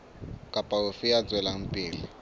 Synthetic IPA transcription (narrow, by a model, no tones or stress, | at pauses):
kʼapʼaufijad͡zwɛlam̩pʼiːli